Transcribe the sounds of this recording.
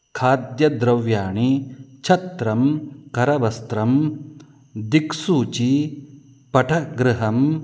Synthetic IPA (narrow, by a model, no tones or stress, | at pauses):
kʰaːd̪jɐd̪ɾɐʋjaːɳit͡ʃʰɐt̪ɾɐmkɐɾɐʋɐst̪ɾɐm | d̪iksuːt͡ʃi | pɐʈʰɐɡɾɪɦɐm